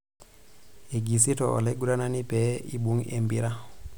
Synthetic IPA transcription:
e˨ɡi˨s̬i˦tɔ˨ɔ̰˨le˦ɡu˦ɾa˦na˦ni˦pɛḭ˦ɓu˦ŋḛ˨mbi˦ɾa˦

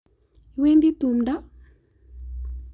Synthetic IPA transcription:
i˨we˦ndi˦t̪u˨mda˦

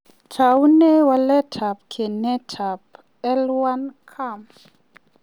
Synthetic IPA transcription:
tʰa˨u˦nɛ˦wa˦lɛ˦tʰa˨p̚kʰe˨nɛ˦tʰa˨p̚ | ɛ˦lwa˦nkʰa˦˨m

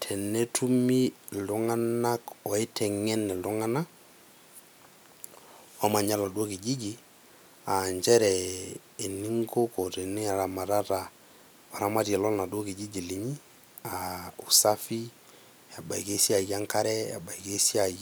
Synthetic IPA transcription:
tʰɛ˨ne˦tu˦mi˦lʊ˦ŋa˦na˦kɔ˨e˦tʰɛ˨ŋɛ˦nːɛ˨lʊ˦ŋa˦na˦ | wa˦ma˨ɲa˦la˨do˦ki˨d͡ʒi˦d͡ʒi˦ | a˨ɲd͡ʒɛ˦ɾɛː˨ | ni˦ŋɡo˦kɔ˨tɛ˨ni˦a˨ɾa˨ma˨ɾa˦ɾa˨ | wa˨ɾa˦ma˦ti˨ɛ˨lɔ˦lna˨dwo˦ki˨d͡ʒi˦d͡ʒi˨li˨ɲi˦ | a˨u˨sa˦fi˦ | ja˨ba˨i˨ke˦si˦a˨ja˦ŋka˦ɾɛ˦a̰˨ba˨jke˦si˦a˨

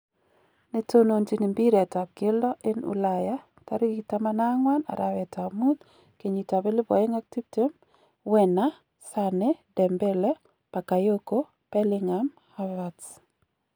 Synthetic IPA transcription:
ne˨to˦no˨nd͡ʒi˨ni˨mbi˦ɾɛ˨ta˨b̚ɡe˦lɔ˦ʔe˦nṵ˦laja˦ | ta˦ɾi˦ɡi˨ta˦mana˦ŋwa˦na̰˨ɾʔawɛ˨tʰa˨mu˦t̪̚ | ke˨ɲi˨ta˨be˦li˦bɔ̰˨e˦ŋa˦k̚ti˦bite˦m | wɛ˨na˦ | sanedɛ˨mbɛ˦lɛ˦ | pa˨ka˨jo˦ko˦ | pɛlɪŋam | havats

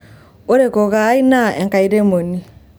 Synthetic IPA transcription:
o˦ɾe˨ko˨ɣaː˨˦i˦na˦ẽ˨ŋka˨i˦ɾe˦mo˨ni˦

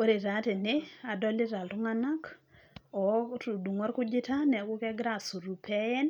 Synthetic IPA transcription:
o˦ɾe˨ta˨˦tɛ˨nɛa˨dɔli˦ta˨ltu˦ŋana˦k | ɔtu˨du˨ŋɔ˦ɾku˦d͡ʒɪta˦nɛ˨ku˦kɛɡɾasu˨ɾu˨pʰɛjɛ˦n

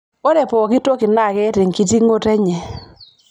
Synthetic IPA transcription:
o˦dɛ˨pɔ˨kɪ˦to˦kɪ˨na˦˨kɛ˦tɪ˨ŋki˨ti˦ŋo˦tɛ˦ɲɛ˨

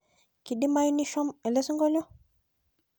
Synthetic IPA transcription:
ki˨ɗi˦ma˦jni˦ʃɔ˦mɛ˨le˦su˦ŋɡɔ˦lɔ˦

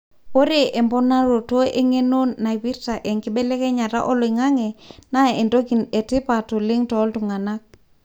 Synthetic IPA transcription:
po˦ɾe˨ʔe˨mbɔ˦na˦ɾo˨to˦ʔe˦ŋe˦no˦nːa˨wi˦ɾta˨ʔe˨ŋki˦ɓɛ˦lɛ˦ke˦ɲa˨ɾa̰˦ʔo˦lo˨i˨ŋa˦ŋe˨na˦e˨ndo˦ɡi˨ne˨ti˦pa˨to˨li˦ŋtɔ˨˦ltu˨ŋa˨na˦k̚

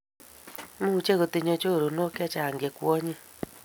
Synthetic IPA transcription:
mu˦u˨t͡ʃe˦ɣo˨te˨ɲo˨t͡ʃo˦˨ɾo˨no˦ka˦t͡ʃa˨ŋɡe˨kwɔ˦ɲi˦

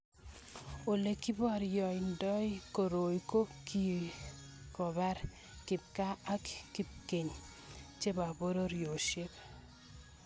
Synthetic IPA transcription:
o˨le˨ki˦bɔ˦˨ɾjɔ˨i˨ndɔ˦jko˨ɾo˨jko˦ki˦˨ | kɔ˨ba˦ɾ | kɪ˨p̚ka˦a˦kki˦˨p̚ke˨ɲ | t͡ʃe˦ba˨bo˦ɾo˦ɾjo˨ʃe˦b

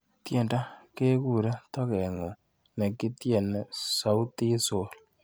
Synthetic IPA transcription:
tje˨nda˦ke˦ku˦˨ɾa˦tɔ˦kɛ˨ŋo˨ | nɛ˨ki˦tje˨n˨sa˨wu˦ti˦so˨l

